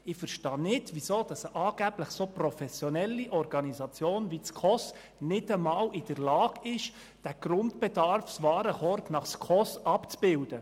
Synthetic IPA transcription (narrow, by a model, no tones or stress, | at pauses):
ɪfəɾʃtɑːnɪdʋisoːd̥ɑsəʔɑːɡ̥æb̥ləχsoprɔfɛsjonɛlːiʔɔrɡɑnisɑt͡sjoːnʋit͡skʰɔs | nɪdəmɑːwɪd̥əɾlɑːɡɪʃ | d̥æɡ̥ɾʊntb̥ɛdɑɾfsʋɑːɾəχɔɾtnɑχskʰɔsɑpt͡sb̥ɪld̥ə